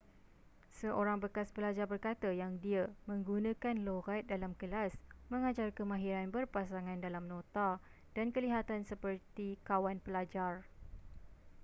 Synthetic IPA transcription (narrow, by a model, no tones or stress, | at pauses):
səʔoɾaŋbəkasbəlad͡ʒarbərkat̪ajaŋdiamə̃ŋɡunãkanloɣat̪̚dalamkəlasmə̃ŋad͡ʒarkəmãɦiɾanbərpasaŋãndalamnõt̪a | d̥ankəliɦat̪ansəpərt̪ikawanpəlad͡ʒar